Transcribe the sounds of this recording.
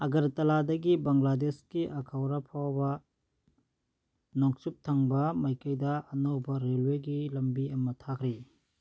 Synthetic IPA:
ɐɡɐɾtɐladɐɡibɐŋladeskiʔɐkʰawɾapʰawbɐ | noŋsup̚tʰaŋbɐmɐjkɐjdɐɐnɐwbɐɾelweɡilɐmbiɐmɐtʰakʰɾi

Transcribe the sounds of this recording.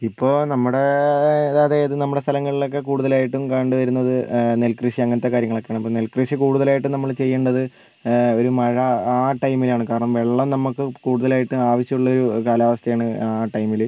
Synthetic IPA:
ipːo̞ːnɐmːuɽe̞eðaːðe̞ɐðɨnɐmːuɽest̪ʰɐlɐŋːɐɭilo̞kːe̞kuːɽuðɐlaːjiʈːumkɐɳɖɨʋɐɾunːɐðɨne̞lkrɨʂiɐŋːɐnɐt̪ːe̞kaːɾjɐŋːɐɭokːejaːɳɐmipːonelkrɨʂikuːɽuðɐlaːjiʈːɨnɐmːɐɭt͡ɕe̞jːeːɳɖɐðɨ | o̞ɾumɐɻɐaːʈɐjmilaːɳɨkaːɾɐɳɐmʋeɭːɐmnɐmːukːɨkuːɽuðɐlaːjiʈːɨaːʋɐɕjɐuɭːɐo̞ɾukaːlaːʋɐst̪ʰɐjaːɳɨaʈɐjmil

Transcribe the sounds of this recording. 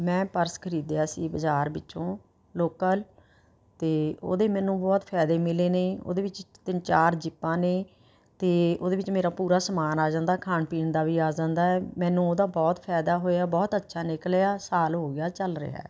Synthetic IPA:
mɛ̃ːpəɾskʰəɾiːd̪ejaːsiːbəd͡ʒaːɾbɪtːʃõː | loːkəl | t̪eːo̰ːd̪eːmɛ̃ːnũːbɔːt̪pʰɛːd̪eːmɪleːneːo̰ːd̪eːʋɪt͡ʃt̪ɪnt͡ʃaːɾd͡ʒɪpːãːneː | t̪eːo̰ːd̪eːʋɪt͡ʃmeːɾaːpuːɾaːsəmaːnaːd͡ʒãːnd̪aːkʰaːnpiːɳd̪aːʋiːaːd͡ʒãːnd̪aːɛːmɛ̃ːnũːoːd̪aːbɔːt̪pʰɛːd̪aːɦoːeaːbɔːt̪ətːʃʰaːnɪkəlaːsaːlɦoːɡɪaːt͡ʃəlɾə̰ɛ̰ː

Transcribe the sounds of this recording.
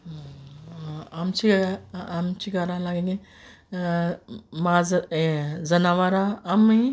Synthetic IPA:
amt͡ʃʰi | mt͡ʃʰiɡaɾãlaːɡẽŋɡe | ma | zɐnaʋaɾaami

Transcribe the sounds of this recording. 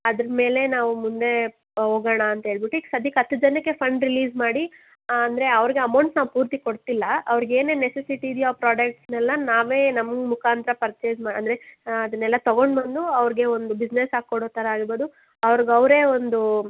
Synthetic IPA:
ɐd̪ɐɾɐme̞ːle̞naːʋumund̪e̞ | ɦoːɡɐɳɐːnt̪ɐɦeːɭbiʈːuisɐd̪ikɐt̪ːud͡ʒɐnːɐkːe̞pʰɐɳɖɾiliːd͡ʒmaːɽi | ɐnd̪ɐɾe̞ɐʋɐɾiɡeɐmɐwɳʈsnaːʋupuːɾt̪iko̞ɽt̪ilːɐɐʋɐɾiɡe̞ːneːnesesiʈiːd̪juaːpɾaːɖɐk̚ʈsnɛlːɐnaːʋe̞ːnɐmɡmukʰaːnt̪ɾɐpɐɾt͡ʃeːd͡ʒmaːɽɐ̰nd̪ɐɾe̞ɐd̪ɐnːɛlːɐt̪ɐɡo̞ɳɖbɐnd̪uɐʋɐɾiɡe̞ond̪ubid͡ʒnesaːɡ̚kːoɽoːt̪ɐɾɐaːɡiɾboːd̪u | ɐʋɐɾiɡɐʋɾe̞ːond̪u

